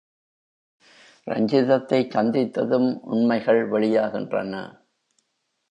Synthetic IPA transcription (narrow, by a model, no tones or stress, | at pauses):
ɾɐ̰ɲd͡ʒɪðɐt̪ːɐɪt͡ʃːɐnd̪ɪt̪ːɐðɯmʔʊ̰ɳmɐɪɣɐɭʋɐɭɪjaːɣɪndrɐ̰nɐ̰